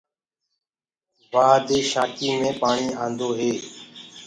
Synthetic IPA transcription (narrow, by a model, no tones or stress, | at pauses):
ʋaːd̪ʱeːʃaːkiːmẽːpaːɳiːãːnd̪oːɦeː